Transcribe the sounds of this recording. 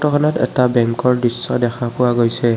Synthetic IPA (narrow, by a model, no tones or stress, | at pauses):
tɔkʰɔnɔtɛ̰tabɛŋkɔɹdɹisːɔdɛxʰapʊwaɡojsɛ